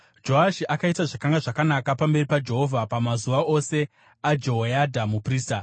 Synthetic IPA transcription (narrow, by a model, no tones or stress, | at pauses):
d͡ʒo̞ɦaʃiʔakaitaʐakaŋɡaʐakanakapambe̞ripad͡ʒe̞ɦo̞vʱapamazuʋaʔo̞se̞ | ad͡ʒo̞ɦojadʱamupriːsta